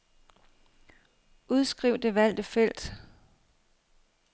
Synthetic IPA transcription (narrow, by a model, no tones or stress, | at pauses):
ʔuð̞ˠsɡ̥ʁiʊ̰d̥e̝ʋæl̰d̥əfel̰d̥